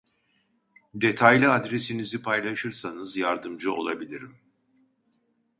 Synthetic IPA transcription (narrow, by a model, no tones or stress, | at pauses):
d̪e̞t̪ʰajlʲiad̪ɾesinizipʰajlˠaʃɯɾsanɯzjaɾd̪ɯmd͡ʒɯo̞̰lˠa̰bilʲiɾim